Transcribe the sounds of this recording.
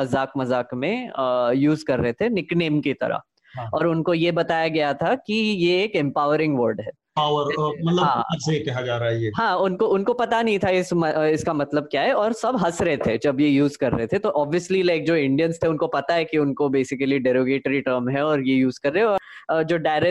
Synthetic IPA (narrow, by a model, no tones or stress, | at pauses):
mɐzaːkmɐzaːkmẽəjuːzkɐɾːɐɦet̪ʰenɪkneːmkit̪ɐ̰ɾa̰ | ɔːɾʊnkojebɐt̪aːjaɡɐjat̪ʰakijeːkɛ̃mpaːəɾɪ̃ŋɡʋəɾɖɦɛː | paːwəɾmɐt̪ləɦãːɐsekɐɦad͡ʒaːɾaɦjeːɦãːʊnkoʊnkopɐt̪anɐɦĩt̪ʰaɪsmɐɪskamɐt̪ləb̚kjaːɦɛɔːɾsɐbɦɐsɾɐɦet̪ʰed͡ʒɐbjejuːzkɐɾːɐɦet̪ʰet̪oʔɔːbʋiəslilaɪk̚d͡ʒoːɪ̃ɳɖijənst̪ʰeʊnkopɐt̪aɦɛkiʊnkobeːsɪkəliɖɛːɾoːɡeːʈɾiʈəɾmɦɛɔːɾjejuːzkɐɾːɐɦeɔːd͡ʒoːɖaːɪɾɛ